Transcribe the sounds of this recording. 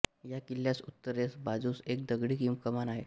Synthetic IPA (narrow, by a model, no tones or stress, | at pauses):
jakiljasut̪ːəɾesbad͡zusek̚d̪əɡɽiːkimkəmanaɦe